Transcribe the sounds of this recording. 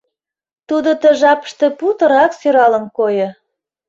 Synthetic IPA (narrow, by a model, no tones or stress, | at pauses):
t̪ud̪ot̪ə̆ʒɑpə̥ʃt̪ĕput̪ə̆ɾɑksøɾɑlə̆nkojɤ̆